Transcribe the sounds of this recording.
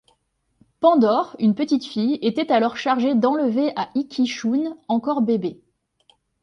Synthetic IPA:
pɑ̃d̪ɔʁynpət̪it̪fijet̪ɛt̪alɔʁʃaʁʒed̪ɑ̃ləveʔaʔikʲʰiʃunɑ̃kɔʁbebe

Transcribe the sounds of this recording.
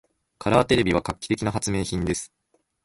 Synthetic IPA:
kʰaɾaːt̪e̞ɾe̞bʲiβakakʲːi̥t̪e̞kʲinaɦat͡sɨme̞ːçĩnd̪e̞sɨ̥

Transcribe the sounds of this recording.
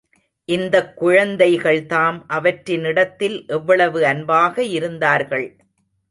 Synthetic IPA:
ʔɪnd̪ɐkːʊɻɐnd̪ɐɪɣɐɭt̪aːmʔɐʋɐʈɾɪnɪɽɐt̪ːɪlʔɛʋːɐɭɐʋɯɐnbaːɣɐɪɾɯnd̪aːɾɣɐɭ

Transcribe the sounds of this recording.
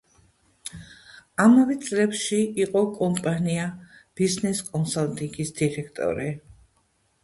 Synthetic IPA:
amavɛt̪sʼlɛpʃiiqʼɔkʼɔmpʼaniab̥iznɛskʼɔnsalt̪ʼiŋɡisd̪̥iɾɛkʰt̪ʼɔ̰ɾi

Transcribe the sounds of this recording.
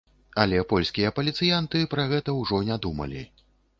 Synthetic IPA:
ɐlʲɛpɔlʲsʲkʲijɐpɐlʲit̪sɨjant̪ɨpɾɐɣɛt̪ɐwʐɔnʲad̪umɐ̰lʲḭ

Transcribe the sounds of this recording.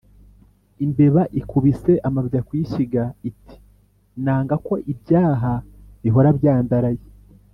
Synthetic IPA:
imbe̞βaʔikuβise̞ʔamaβɟakwiʃiɡaitʰi̥ | naːŋɡako̞ʔibɟaːɦa | βiɦo̞ɾabjaːndaɾaje

